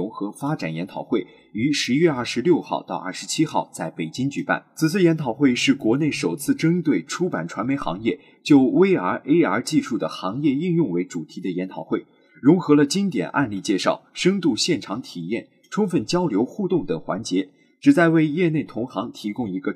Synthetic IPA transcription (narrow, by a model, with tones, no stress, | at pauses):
ʊ˧˥xɤ˧˥fa˥ʈ͡ʂa˨˩njɛ˧˥nt̪ʰɑ˨˩ʊxwe˥˩ɪ | y˧˥ʂɻ̩˧˥ɥɛ˥˧ɐ˞˥˩ʂɻ̩˧˥ljo˥˧ʊxɑ̰˥˧ʊt̪ɑ˥˧ʊʔɐ̰˥˩ʂɻ̩˧˥t͡ɕʰi˥xɑ˥˧ʊt͡sa˥˩ɪpe˨˩ɪt͡ɕi˥ŋt͡ɕy˨˩pa̰˥˩nt͡sʰɹ̩˨˩t͡sʰɹ̩˥˩jɛ˧˥nt̪ʰɑ˨˩ʊxwe˥˧ɪʂɻ̩˥˩kwɔ˧˥ne˥˩ɪʂo˨˩ʊt͡sʰɹ̩˥˩ʈ͡ʂə˥ŋt̪we˥˩ɪʈ͡ʂʰu˥pa˨˩nʈ͡ʂʰwa˧˥nme˧˥ɪxɑ̰˧˥ŋjɛ˥˩ | t͡ɕjo˥˧ʊwe˥ɪə˞˧˥ʔe˥ɪə˞˧˥t͡ɕi˥˧ʂu˥˩d̪ə˩xɑ˧˥ŋjɛ˥˧i˥˧ŋjʊ˥˩ŋwe˧˥ɪʈ͡ʂu˨˩t̪ʰi˧˥d̪ə˧jɛ˧˥nt̪ʰɑ˨˩ʊxwe˥˩ɪ | ɻʊ˧˥ŋxɤ˧˥lə˧t͡ɕi˥ŋt̪jɛ̰˨˩nʔa̰˧nli˥˧t͡ɕjɛ˥˧ʂɑ˥˩ʊʂə˥ŋt̪u˥˧ɕjɛ˥˩nʈ͡ʂʰɑ˧˥ŋt̪ʰi˨˩jɛ̰˥˩n | ʈ͡ʂʰʊ˥ŋfə˥˩nt͡ɕjɑ˥ʊljo˧˥ʊxu˥˧t̪ʊ˥˩ŋt̪əɤ˨˩ŋxwa̰˧˥nt͡ɕjɛ˧˥ | ʈ͡ʂɻ̩˨˩t͡sa˥˧ɪwe˥˧ɪjɛ˥˧ne˥˩ɪt̪ʰʊ˧˥ŋxɑ˧˥ŋt̪ʰi˧˥kʊ˥ŋi˧˥ɡə˧